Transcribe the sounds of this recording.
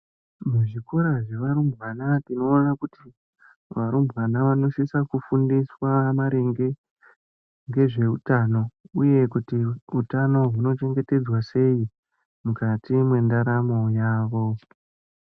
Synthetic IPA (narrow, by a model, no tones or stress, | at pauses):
muʐikoɾaʐe̞ʋaɾumbʱwanatino̞ːnakuti | ʋaɾumbwanaʋano̞ʃisakufundiswamaɾe̞ŋɡe̞ | ŋɡe̞ʐe̞utano̞uje̞kutiutano̞ɦuno̞t͡ʃe̞ŋɡe̞te̞d͡zwase̞i | mukatimwe̞ndaɾamo̞jaːʋo̞